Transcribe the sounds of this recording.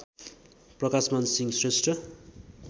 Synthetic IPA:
prʌkasmansiŋɡsresʈrʌ

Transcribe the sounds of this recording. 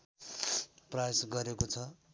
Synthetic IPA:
prʌjasɡʌɾekot͡sʰʌ

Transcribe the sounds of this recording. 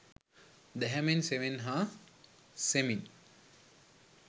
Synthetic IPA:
d̪ɛɦɛmenseʋenɦa | semin

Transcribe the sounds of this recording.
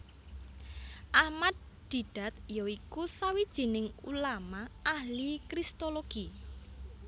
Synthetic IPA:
ʔahmad̪̚ | d̪̥i̤ɖ̥a̤t̪̚joikusawid̥ʒ̥i̤nɪŋulamaʔahlikɾist̪oloɡ̥i

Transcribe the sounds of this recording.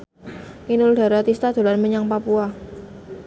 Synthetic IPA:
inuld̥a̤ɾat̪ist̪ad̪̥o̤lanməɲaŋpapua

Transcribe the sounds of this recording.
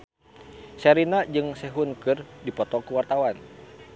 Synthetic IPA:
saɾinad͡ʒɨŋsɛɦunkɨrdipɔt̪ɔkuwart̪awan

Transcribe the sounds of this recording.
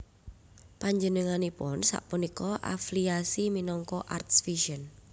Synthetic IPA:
paɲd͡ʒənəŋanipʊ̰nsa̰ʔpunikɔʔa̰fliasiminɔŋkɔʔart̪sfiʃən

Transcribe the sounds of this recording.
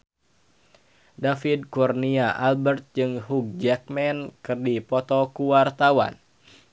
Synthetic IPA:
dafid̚kurniaʔalbərt̪̚d͡ʒɨŋɦuk̚d͡ʒɛk̚mɛnkɨrdipɔt̪ɔkuwart̪awa̰n

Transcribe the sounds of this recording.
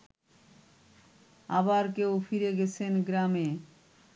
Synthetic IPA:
a̰baɾkeofiɾeɡɛt͡ɕʰenɡɾame

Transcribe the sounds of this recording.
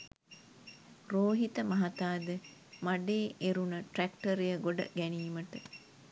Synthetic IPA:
roːɦit̪əmɐɦɐt̪aːd̪e | maɖeːʔeɾunɐʈrækʈɐɾejəɡoɖɐ̰ɡæniːməʈə

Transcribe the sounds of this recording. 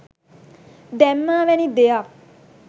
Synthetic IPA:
d̪ɛmːaːʋɛnid̪ejak

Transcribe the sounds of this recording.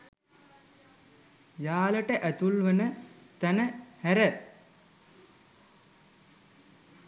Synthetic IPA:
jaːləʈəʔæt̪ulʋənət̪ænəhæɾə

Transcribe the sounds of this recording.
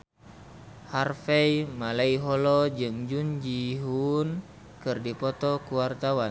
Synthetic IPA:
harfɛimalaiɦɔlɔd͡ʒɨŋd͡ʒund͡ʒiɦun | kɨrdipɔt̪ɔkuwart̪awan

